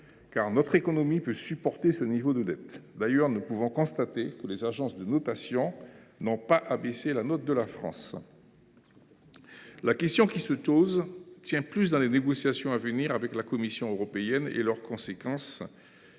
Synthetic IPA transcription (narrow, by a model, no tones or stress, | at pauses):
kaʁnɔt̪χekɔnɔmipøsypɔʁt̪esənivod̪əd̪ɛt̪d̪ajœʁnupuvɔ̃kɔ̃st̪at̪ekəlezaʒɑ̃sd̪ənɔt̪asjɔ̃nɔ̃paʔabeselanɔt̪̚d̪əlafχɑ̰̃s | lakʲɛst̪jɔ̃kʲisətozt̪jɛ̃plys̬d̪ɑ̃leneɡɔsjasjɔ̃avəniʁavɛklakɔmisjɔ̃øʁɔpeɛnḛlœʁkɔ̃sekɑ̃s